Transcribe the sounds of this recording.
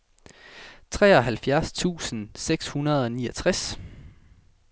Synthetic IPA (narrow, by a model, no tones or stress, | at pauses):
t͡sʰʁɛːɒ̽ɦælfjæɐst͡sʰṵːsən̩seɡ̥shunɐð̞ˠɒ̽niːɐɒt͡sʰʁas